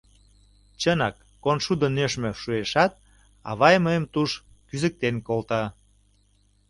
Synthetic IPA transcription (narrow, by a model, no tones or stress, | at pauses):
t͡ɕənɑkːonʃud̪ənøʃmøʃueʃɑt̪̚ | ɑ̰βɑjməjəmt̪uʃ | kyzə̆k̚t̪enkolt̪ɑ